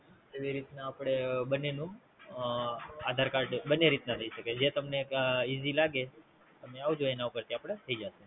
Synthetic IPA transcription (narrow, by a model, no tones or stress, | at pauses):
keʋiɾit̪naːpɽ̃ebənːenũ | ad̪ʱaɾkaɾɖbənːeɾit̪nat̪ʰəiʃəked͡ʒet̪əmneizilaɡe | t̪əmeaʋud͡ʒoenaʋukəɾt̪iapɽ̃et̪ʰəid͡ʒaʃe